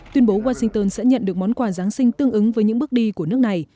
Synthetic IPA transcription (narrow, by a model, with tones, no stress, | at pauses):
t̪wi˧ənɓo˨˦waː˧sï˧ŋt̪əː˧nsɛ̰˧˥ɲə̰˧˨nɗɨ˨˩ək̚mɔ˨˦nkwaː˧˩zaː˨˦ŋsï˧ŋ̟t̪ɨ˧əŋʔɨ˨˦ŋvəː˨˦ɲɨ̰˧˥ŋ˥ɓk̚ɗi˧ku˧˩ənɨ˦˥ək̚na˨˩j